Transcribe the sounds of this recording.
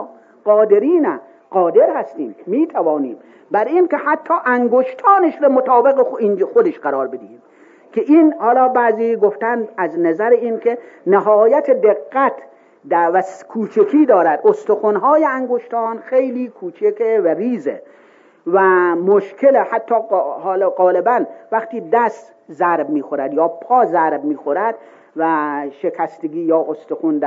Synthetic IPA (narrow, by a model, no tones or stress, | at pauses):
ɢɒːd̪eɾiːnæ | ɢɒːd̪e̞ɾhæst̪ḭːmmiːt̪ʰævɒːniːm | bæɾinkʲehæt̪ʰːɒːʔæŋɡoʃt̪ʰɒːneʃɾemot̪ʰɒːbeɣeind͡ʒxod̪eʃɢæɾɒːɾbed̪iiːm | kʰeʔiːnhɒːlɒːbæːziːɡoft̪ænæznæzæɾeinkʰe | neɦɒːjæt̪ʰed̪eɡːæt̪ʰ | d̪ævæskʰuːt͡ʃʰekʰiːd̪ɒːɾæd̪ʔost̪oxunɦɒːjeæŋɡoʃt̪ɑːnxejliːkʰuːt͡ʃʰekʰevæɾiːzḛ | væmoʃkʲʰelehæt̪ʰːɒːhːlɡɒːlebænvæxt̪iːd̪æst̪ | zæɾbmiːxoɾæd̪jɒːpʰɒːzæɾbmiːxoɾæd̪̥ | væʃekʰæst̪eɡiːjɒːʔost̪oxund̪æ